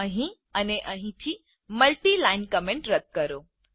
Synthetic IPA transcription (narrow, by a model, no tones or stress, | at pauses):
əɦĩ | əneʔəɦĩt̪ʰi | məlʈilainkəmẽɳʈɾət̪̚kəɾo